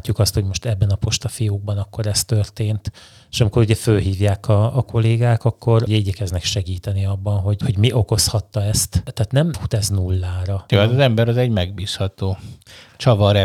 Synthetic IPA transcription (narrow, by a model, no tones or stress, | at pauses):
acːukɒst̪ho̞ɟmo̞ʃt̪ɛbːɛnɒpo̞ʃt̪ɒfijuːɡ̚bɒnɒkːo̞ɾɛst̪ørt̪eːnt̪ | eʃɒmiko̞ɾuɟɛfølɦiːvjaːkɒːko̞leːɡaːkɒkːo̞ɾɟɛiːɟɛkɛznɛkʃɛɡiːt̪ɛniɒbːɒnɦo̞ɟho̞ɟmiʔo̞ko̞shɒt̪ːɒɛst̪t̪aːt̪nɛmut̪ɛznulːaːɾɒoaɒzɛmbɛɾɒzɛɟmɛɡ̚biːshɒt̪oːt͡ʃɒvɒɾɛ